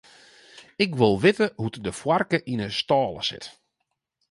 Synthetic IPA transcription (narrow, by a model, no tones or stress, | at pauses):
ɪkʋɪlˠʋɪtəɦutdəfwarkəʔinəstɔːlˠə̰sɪ̰t